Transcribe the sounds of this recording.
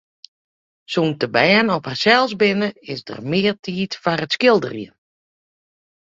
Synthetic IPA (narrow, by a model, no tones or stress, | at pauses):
suːntəbɛːnɔphasɛlˠsbɪnəɪsdə̰rmɪːrtʰiːtfarətskɪlˠdə̰rjə